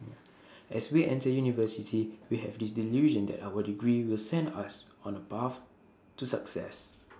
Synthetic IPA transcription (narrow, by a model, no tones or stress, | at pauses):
ʔɛswiʔɛ̃ntəjunivəsitʰiwihɛ̰vdis̬diluʒə̃ndɛ̰tawədiɡɹiwilsɛ̃ndasɔ̃nəpaf | tusa̰ksɛ̰s